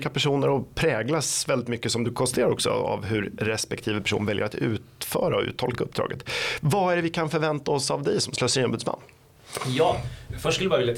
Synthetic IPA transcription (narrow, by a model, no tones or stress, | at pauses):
kapæʂuːnəɾɔpʰɾɛːɡlasvɛld̪ɪt̪mʏkːəsɔmd̪ɵkʰɔnst̪t̪ʰeːɾaɾɔksɔ̰a̰vɦɵɾɾɛspɛkt̪ʰiːvəpʰæ̥ʂṵːnvɛljə̰ɾat̪ʉ̟̰ːt̪fœːɾaɔʉ̟ːt̪ʰːɔlkaɵp̚d̪ɾɑ̰ːɡət̪vaæɖɛvɪkʰanfœɾvɛnt̪aɔsavd̪ɛjsɔmslœːsiːnɔmbʉd̪sma̰nː | jɑːfœʂʈkləbɑɾɪlja